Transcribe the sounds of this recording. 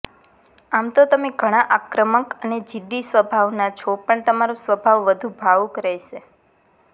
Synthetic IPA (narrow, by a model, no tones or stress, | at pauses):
amt̪ot̪əmeɡʱəɽ̃aʔakɾəməkəned͡ʒid̪ːisʋəbʱaʋnat͡ʃʰopəɳt̪əmaɾusʋəbʱaʋʋəd̪ʱũbʱaʋukɾɛjʃe